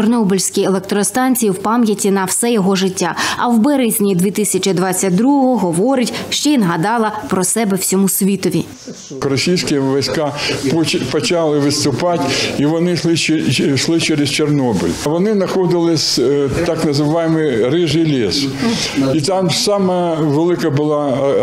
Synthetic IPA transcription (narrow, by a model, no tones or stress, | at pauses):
t͡ʃɔrnɔbɔlʲsʲkʲijelˠɛk̚t̪ɾɔst̪ɑnʲt͡sʲijiwpɑmjɐtʲinɐwsɛjɔɦɔʒɪtʲːaɐwbɛɾɪzʲnʲid̪ʲʋʲit̪ɪsʲɐt͡ʃɪd̪ʋɑt͡sʲːɐt̚ʲd̪ɾuɦɔɦɔɔɦɔʋɔɾɪtʲʃt͡ʃɔinɦɐd̪ɑlˠɐpɾɔsɛbɛw̥sʲɔmusʲʋʲit̪ɔʋʲḭ | kɾɔsʲijsʲkʲɪʋɔjsʲkɑppɔt͡ʃɑlˠɪʋɪt̪st̪ʊpɑtʲiʋɔnɪʃlˠɪt͡ʃʃlˠɪt͡ʃɛɾest͡ʃernɔbɪ̰lʲʋɔnɪznɐxɔd̪ɪlˠɪsʲt̪ɑknɐzɪʋɑjɪmɪrɪʒɪjlʲes | it̪ɑmsɑmɐʋelˠɪkɐbʊlˠɑ